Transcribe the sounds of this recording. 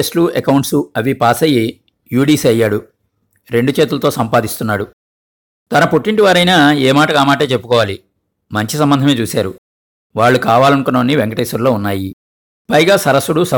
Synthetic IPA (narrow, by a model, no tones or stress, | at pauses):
esʈluekɐwɳʈsuɐʋipaːsɐji | juːɽiːsɐjːaːɽu | ɾe̞ɳɖut͡ʃeːt̪̬ulɐt̪o̞ːsɐmpaːd̪ist̪unːaːɽu | t̪ɐnɐpoʈːiɳʈiʋaːɾɐjnaːeːmaːʈɐkaːmaːʈ̬e̞ːt͡ʃe̞pːu̥kɔːʋaːli | mɐɲt͡ʃisɐmbɐnd̪ɐme̞ːt͡ʃuːsaːɾu | ʋaːɭːukaːʋaːlɐnukunːoːnːiʋeŋkɐʈɐjsuɾlo̞ːunːaːji | pɐjɡaːsɐɾɐsːuɽusɐ